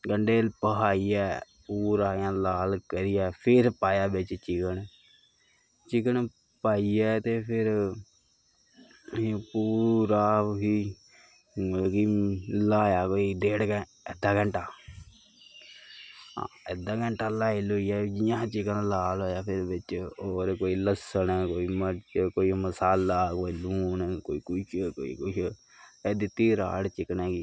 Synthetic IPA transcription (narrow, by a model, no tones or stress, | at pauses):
ɡəɳɖeːlpəɦaːiɛː | puːɾaːjãːlaːlkəɾɪjɛːpʰɪɾpaːjaːbɪt͡ʃt͡ʃɪkəɳ | t͡ʃɪkəɳ | paːiɛːt̪eːpʰɪɾ | puːɾaːɦiː | ɡiːlaːjaːkoːiɖeːɽkɛ | ed̪aɡɐɳʈaː | ed̪aːɡɐɳʈalaːilojad͡ʒijãːt͡ʃɪkənlaːloːjaːpʰɪɾʋɪt͡ʃoːɾkoːiləsənkoːimət͡ʃkoːiməsaːlakoːiluːnkoːikʊt͡ʃko̰ḭkʊt͡ʃʰ | ed̪it̪iːɾa̰ːɽt͡ʃɪkneːɡi